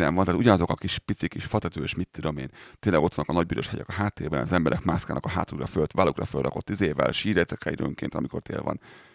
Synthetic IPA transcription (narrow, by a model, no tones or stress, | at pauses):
nɛ̰mvɒnt̪aːt̪uɟɒnɒzo̞kɒkiʃpit̪sikiʃfɒt̪ɛt̪øːeːʃmit̪ːud̪o̞mḛːnt̪eːnlɛɡot̪vɒnːkːɒnɒɟ̚biɾo̞ʃhɛɟɛ̰kɒɦaːt̪ːeːrbɛnɒzɛmbɛɾʔɛkmaːskaːnɒ̰kɒɦaːt̪ukrɒfølt̪valukrɒfølrɒ̰ko̞t̪ːizeːvɛ̰lʃiːɾɛt̪sɛkɛid̪ø̰ŋkḛːnt̪ɒmiko̞̰rt̪ḛːlvɒ̰n